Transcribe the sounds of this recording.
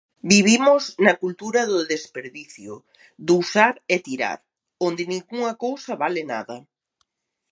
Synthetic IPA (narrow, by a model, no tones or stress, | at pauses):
biβimʊznɐkult̪uɾɐðʊðespeɾðiθjʊ | d̪usaɾet̪iɾa̰ɾ | ond̪ɪnĩŋɡuŋɐkowsɐβalɪna̰ðɐ